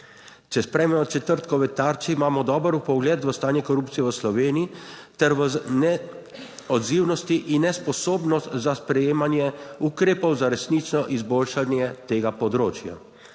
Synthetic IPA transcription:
t͡ʃɛspɾɛjmɛɔt͡ʃɛt̪əɾt̪kɔʋɛt̪aːɾt͡ʃiimaːmɔd̪ɔːbəɾupɔɡlɛːt̪ʋəst̪aːnjɛkɔɾupt̪sijɛʋəslɔʋeːniit̪ɛɾʋənɛ | ɔd̪ziːwnɔst̪iʔinːɛspɔsoːbnɔst̪zaspɾɛjeːmanjɛukɾeːpɔwzaɾɛsnit͡ʃnɔʔizboːlʃanjɛt̪eːɡapɔd̪ɾoːt͡ʃja̰

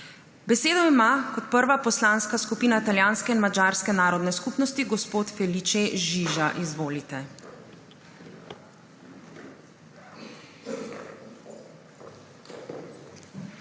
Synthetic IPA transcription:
bɛseːd̪ɔimakɔt̪̚pəɾʋapɔslaːnskaskupiːnat̪aljaːnskɛinmad͡ʒaːɾskɛnaːɾɔd̪nɛskupnɔst̪iɡɔspoːt̪fɛlit͡ʃeʒiʒaʔizʋoːlit̪ɛ

